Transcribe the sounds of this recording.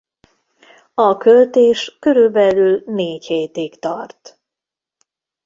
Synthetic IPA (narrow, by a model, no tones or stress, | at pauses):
ɒkø̞lt̪eːʃkø̞ɾylbɛlylneːcheːt̪ikt̪ɒrt̪